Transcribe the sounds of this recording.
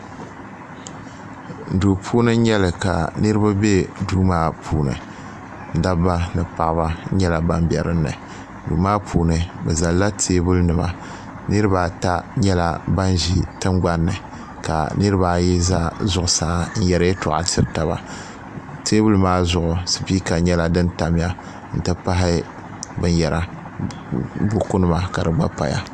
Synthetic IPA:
du˨pʰuː˦nɨ˦ɲɛ˦lɨ˨ka˨nɨ˦ɾɨ˦ba˦be˦duː˦maː˦pʰuː˨nɨ̰˨ | n̩˨da˦ba˦nɨ˨pa˨ʔba˦ɲɛ˦la˨ba˦mbi˨ɛ̰˨ɾɨ˦nːɨ̰˨ | duː˨maː˦pʰuː˨nɨ˨bɛ˨za˨lːa˦tʰeː˦bʊ˦lnɨ˨ba̰˦ | nɨ˦ɾɨ˦ba˨ta˦ɲɛ˦la˨ba˦nʒi˨tɨ˦mɡ͡ba˦nːɨ̰˨ | ka̰˨nɨ˦ɾɨ˦baː˨˦˨jɛ˦za˦zʊ˨ʔʊ˨sa˨˦˨n̩˦jɛ˨ɾɨ˦ɛ˦tʊ˨ʔa̰˨tɪ˦ɾta˨ba̰˨ | teː˦bu˦lmaː˦zʊ˨ʔʊ˨sɨ˨pi˦ka˨ɲɛ˦la˨dɨ˦nta˨m˦ja˦ | n̩˨tɨ˦pa˦ɦɪ˦ | bɨ˦n˦jɛ˨ɾa˨ | bu˨ku˦nɨ˦ma˨ka˨dɨ˨ɡ͡ba˦pa̰˨ja̰˦

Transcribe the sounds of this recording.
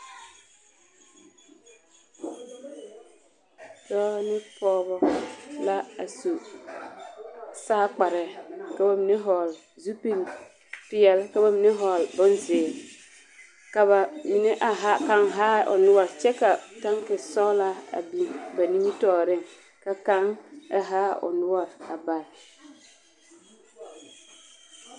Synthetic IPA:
dɔː˦nɪ˦pɔː˦βɔ˦la˦a˨su˨ | saː˦k͡pa˨ɾɛ˨ka˨ba˨mi˨ne˦ɦɔ˨l | zu˦pi˦ɾi˨ | pɪ˦ɛ˨lka˨ba˨mi˨ne˦ɦɔ˨lbʊ˦nzɪ˨ | ka˨ba˨mi˨ne˦ʔa˨ɦa˦ka˦ŋɦa˦ʊ̰˨nʊ˦ɔ˦˨ɾt͡ʃɛ˦ka˨ta˦ŋkɪ˨sɔ˦la˦a̰˨bi˨nba˨ni˦i˦tɔː˦˨ɾɪ˦ŋ | ka˨ka˦ŋa˨ɦa˦ʊ̰˨nʊ˦ɔ˨ɾa˨ba˨ɾ

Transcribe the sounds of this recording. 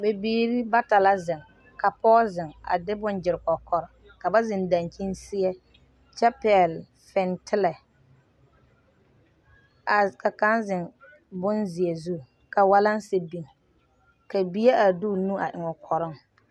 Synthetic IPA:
be˨biː˦ɾi˦ba˦ta˨la˦zɪ˨ŋ | ka˨pɔː˦zɪ˨ŋa̰˨dɪ˦bʊ˦nd͡ʒɪ˨ɾɪ˨kɔ˨kʰɔ˨ɾɪ˨ | ka˨ba˦zɪ˨nda˨ŋki˦nsɪ˦ɛ˦ | t͡ʃɛ˦pɛ˨l | fɛ˨ntʰɪ˦lɛ˨ | a˨ka˨ka˦nzɪ˨ŋ | bʊ˦nzɪ˨e˨zu˦˨ | ka˨wa˦la˦n˦sɪ˦bi˨ŋ | ka˨bi˦e˦ʔa˨duː˦˨nũ˦a˨ʔɪ˨ŋɔ˨kʰɔ˨ɾɪ˦ŋ

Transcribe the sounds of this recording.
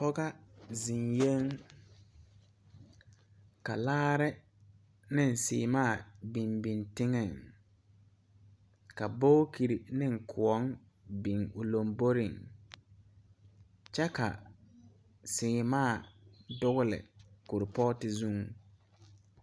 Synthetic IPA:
pɔ˦ɡa˦zi˨nje˦ŋ | ka˨laː˦ɾɪ˦ | nɪ˦˨n˨sɪ̰ː˨maː˦˨bi˨mbi˨ntɪ˦ŋɛ˨ŋ | ka˨bo˦ki˨ɾi˨nɪ˦ŋ̩˨kʰʊ˨ɔ˦ŋ | bi˨ŋʊ˨lo˨mbo˦ɾɪ˨ŋ | t͡ʃɛ˦ka̰˨ | sɪː˨maː˦˨dʊ˦ɣʊ˦lɪ̰˨ku˨ɾɪ˨pɔ˦tɪ˨zu˦ŋ

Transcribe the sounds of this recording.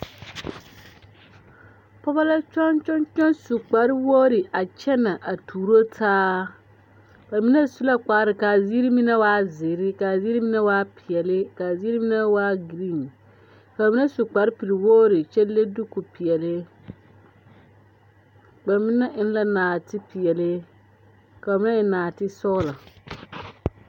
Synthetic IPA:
pɔ˦ba˦la˦t͡ʃɔ˦nt͡ʃɔ˦nt͡ʃɔ˦nsu˨k͡pa˨˦ɾɪ˦woː˦ɾɪ˨ʔa˨t͡ʃɛ˦na˨ʔa˨tʰuː˨ɾo˦tʰaː˦ | ba˨mi˦na˦su˦la˦k͡paː˨˦ɾɪ˨ka˨zi˦ɾi˦mi˦na˦waː˦zɪ˨ɾɪ˦ka˨zi˦ɾi˦mi˦na˦waː˦pʰi˨ɛ˨lɪ˦ka˨zi˦ɾi˦mi˦nɛ˦waː˦ɡɾi˦˨n | ka˨mi˦nɛ˦su˨k͡pa˨˦ɾɪ˦pi˨ɾi˨woː˦ɾɪ˨t͡ʃɛ˦le˦dʊ˦ku˨pi˨ɛ˨lɪ˦ | k͡pa˨mi˦nɛ˦ʔɪ˦n˦la˦naː˨tɪ˦pi˨ɛ˨lɪ˦ | ka˨a˨mi˦nɛ˦ɪ˨naː˨tɪ˦sɔ˦la˨

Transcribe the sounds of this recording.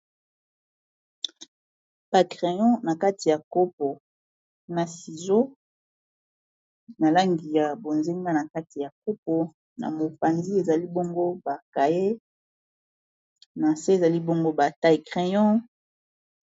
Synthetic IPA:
b̥a˨kʁe˨jɔ̃˦na˨ka˦ti˨ja˨ko˦p̚o˨ | na˨si˨zo˦ | na˨la˦ŋɡi˨ja˨bo˨nze˦ŋɡa˦na˨ka˦ti˨ja˨ko˦po˨ | na̰˨mo˨pa˨nzi˦e˨za˨li˦bo˦ŋɡo˦ba˨ka˨je˦ | na˨se˦˨za˨li˦bo˦ŋɡo˦ba˨ta˦e˨kʁe˨jɔ̃˦

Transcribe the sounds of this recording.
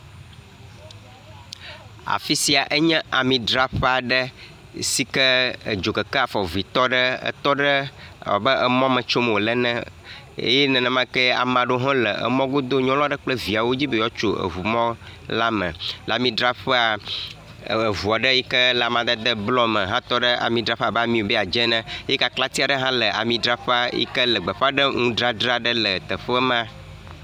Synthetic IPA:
a̰˨fi˦si˨a˨ʔə˦ɲɛ̃˦ʔa˨mĩ˨ɖɾa˦ɸɛ˦a˨ɖə˦ | si˦kə˦˨d͡ʒo˨kə˨kə˦a˨fɔ˨vi˨t̪ɔ˦ɖə˦ə̰˦t̪ɔ˦ɖə̰˦˨bə˦ʔə˨mɔ̃˦mə̃˨t͡ʃo˦m˨o˨lɛ˦nɛ̃˦ | ḛ˦jɛ˦nɛ̃˨nɛ̃˨mã˦kə˦a̰˨mã˨ɖo˦ɦɔ̃˦lə̰˨ʔə̰˨mɔ̃˦ɡo˦d̪o˦ɲɔ̃˦lɔ̃˦ɖə˦k͡plə˦vi˨a˨wo˦d͡ʑi˦be˦jɔ˦t͡ʃo˨ə̰˨ɦu˨mɔ̃˦la˦mə̰̃˨la˨mĩ˨ɖɾa˦ɸə˦a˨ | ə˨vu˨a˨ɖə˦ji˦kə˦la˨mã˨d̪ə˦d̪ə˦blɔ˦mə̃˨ɦã˦t̪ɔ˦ɖə˦ʔa̰˨mĩ˨ɖɾa˨˦ɸa˨bɛ˦a˨mĩ˨wo˨bɛ˦a˨d͡ʒɛ˦nã˦je˦ka˨kla˦t̪i˦a˨ɖə˦ɦã˦lə˨ʔa̰˨mĩ˨ɖɾa˦ɸa˦jḭ˦kə˦lə˨ɡ͡bə˨ɸa˦ɖə˦ŋũ˦ɖɾa˦ɖɾa˦ɖə˦lə˨t̪ə˨ɸə˦mã˦

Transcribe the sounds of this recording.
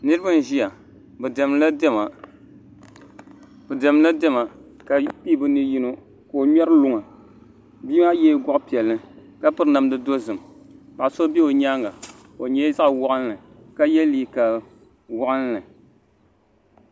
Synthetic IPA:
nɨ˦ɾɨ˦ba˦n˨ʒi˦ja˨ | bɨ˨dɛ˨mla˦dɛ˦ma˨ | bɨ˨dɛ˨m˦la˦dɛ˦ma˨ | ka˨pi˦bɨ˨nɨ˦ji˦no˦ | ka˨o˨ɲɛ˦ɾɨ˦lʊ˨ŋa˨ | biː˦ma˦jɛ˦ɡɔ˦ʔpi˨ɛ˨lːɨ˦ka˦pɨ˦ɾɨ˦na˨mdɨ˦do˦zɨ˨m | ba˨so˦be˦o˨ɲaː˦ŋɡa˨ | o˨ɲɛ˦za˦ʔwɔ˦ʔa˦n˦lɨ˨ | ka˦jɛ˦liː˦ka˨l | wɔ˦ʔɨ˦n˦nɨ˨

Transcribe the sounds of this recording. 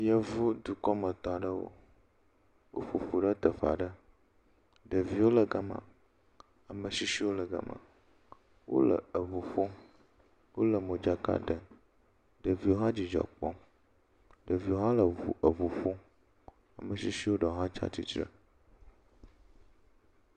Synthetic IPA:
jə˨vu˦d̪u˨kɔ˦mə˨t̪ɔ̃˨ɖə˦wo̰˦ | wʔo̰˦ɸu˨ɸu˨ɖə˦t̪ə˨fa̰˨ɖə˦ | ɖə˨vi˨wo˦lə˨ɡə˦mã̰˨ | a˨mə˨ʃi˦ʃi˦wo˦lə˨ɡə̰˨mã̰˨ | wʔo̰˦lə̰˨ə˨vu˨ɸo˦ | wo˦lə˨mo˨d͡ʒa˦ka̰˦ɖə˨ | ɖə˨vi˨wo˦ɦã˦d͡ʑi˨d͡ʒɔ̰˨k͡pɔ̰˦ | ɖə˨vi˨wo˦ɦã˦lə˨u˨ə˨vu˨fo˦ | a˨mə˨ʃi˦ʃi˦wo˦ɖə˨o˦ɦã˦t͡ʃa̰˦t̪ḭ˦t͡ʃɾə̰˦

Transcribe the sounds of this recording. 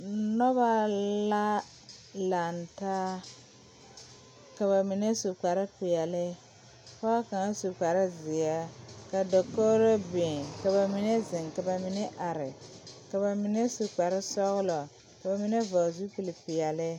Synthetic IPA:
nɔ˦βa˦la˦ | la˨nta˦ | ka˨ba˨mi˨nɛ˦su˨k͡pa˨ɾɪ˦pɪ˨ɛ˨lɪ˦ | fa˦a˦ka˨ŋ˦su˨k͡pa˨ɾɪ˦zɪ˨ja˦ka˨dɔ˨ko˦ɾɔ˦be˨ka˨ba˨mi˨nɛ˦zɪ˨ŋka˨ba˨mi˨nɛ˦ʔa˨ɾɪ˨ka˨ba˨mi˨nɛ˦su˨k͡pa˨ɾɪ˦sɔ˦ɣʊ˦lɔ˨ | ka˨ba˨mi˦nɛ˦va˨zu˦pu˨li˨pɪ˨jɛ˨lɪ˦

